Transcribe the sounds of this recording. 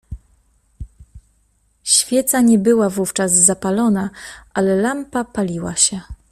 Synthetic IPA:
ɕfʲjɛt̪saɲɛbɘwavuft͡ʂazzapalɔnaʔalɛlampapalʲiwa̰ɕɛ

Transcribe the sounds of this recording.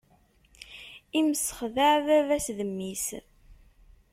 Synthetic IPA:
iməsːə̥χðaʕvævæsðəmːis

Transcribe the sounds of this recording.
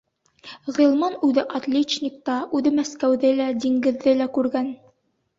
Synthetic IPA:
ʁɤ̆lˠmɑnʉðɘʔɑt̪lʲet͡ɕnʲik̚t̪ɑʉðɘmæskæwðɘlæd̪iŋɡɘ̆ðːɘlækʉɾɡæn

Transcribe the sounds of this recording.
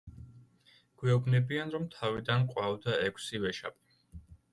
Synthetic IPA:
ɡ̥wɛɔbnɛbianɾɔmt̪ʰavid̪anqʼwavd̪aɛkʷʰsivɛʃa̰pʼi̥

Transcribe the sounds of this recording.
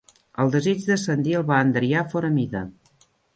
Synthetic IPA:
əlˠd̪əzid͡ʒðəsənd̪iəlˠβaənd̪ɾiafoɾəmiðə

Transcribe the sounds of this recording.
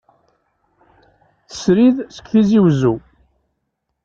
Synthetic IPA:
θə̥sɾiðsə̥kʷːθiziwzu

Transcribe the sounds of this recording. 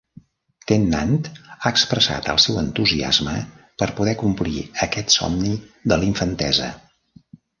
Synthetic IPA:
t̪enːant̪aəkspɾəsa̰t̪ə̰lˠsɛwənt̪uzia̰zmə | pəɾpuðɛkumpliəkɛt̪sɔ̰mniðəliɱfənt̪ɛ̰zə̰

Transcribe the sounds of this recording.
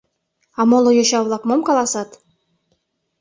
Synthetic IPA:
ɑmolˠŏjoɕɑβlˠɑkmomkɑlˠɑsɑt̪

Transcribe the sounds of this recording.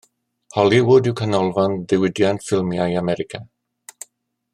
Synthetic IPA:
hɔlˠiwʊdɪwkʰənɔlˠvanðɪwɪdjantfɪlˠmjajamɛɾɪkʰa

